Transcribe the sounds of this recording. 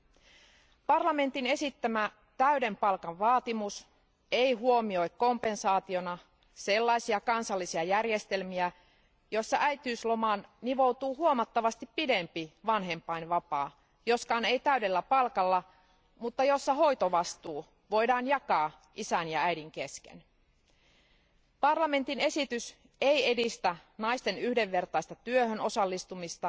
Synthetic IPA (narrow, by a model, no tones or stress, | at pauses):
pɑrlɑme̞nt̪ine̞sit̪ːæmæ | t̪æyde̞mpɑlkɑʋʋɑːt̪imus | eiɦuo̞mio̞jkko̞mpe̞nsɑːt̪io̞nɑ | se̞lːɑjsiɑkɑnsɑlːisiɑjærje̞st̪e̞lmiæ | jo̞sːɑʔæjt̪yːslomɑːnniʋo̞wt̪uːhuomɑt̪ːɑʋɑst̪ipːide̞mpiʋɑnɦe̞mpːˑɑinʋɑpɑː | jo̞skɑːne̞jt̪æyde̞lːæpɑlkɑlːɑ | mut̪ːɑjo̞sːɑɦo̞jt̪oʋɑst̪uː | ʋo̞jdɑːnjɑkɑː | ʔisænjɑæjdiŋkeskḛn | pɑrlɑme̞nt̪ine̞sit̪ys | eje̞dist̪ænɑist̪e̞nyhde̞ʋːe̞rt̪ɑist̪ɑt̪yøhøno̞sɑlːist̪umist̪ɑ